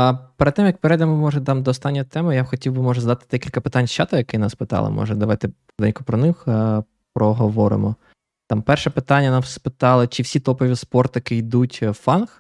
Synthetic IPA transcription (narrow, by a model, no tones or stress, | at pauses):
peɾt̪ːɛmjɐk̚peɾɛd̪emɔmɔʒɛd̪ɑmd̪ɔːst̪ɑnʲːɔjt̪ɛmɪjabxɔtʲiwbɪmɔʒɛzɐd̪ɑt̪ɪ̥d̪ɛkʲilʲkɐpɪt̪anʲʃt͡ʃɑt̪ɐjɐkɪjnɑspɪt̪ɑ̰lˠɪ̰mɔ̰ʒɛd̪ɐʋɑjt̪ɪɾd̪ɛnʲkʊpɾɔnɪx | pɾɔɦɔʋɔɾɪ̰mɔ | t̪ɑmpɛrʃɛpɪt̪ɑnʲːɐnɑmspɪt̪ɑlˠɪt͡ʃɪwsʲit̪ɔpɔʋʲispɔrt̪ɐkɪjd̪utʲfɑnx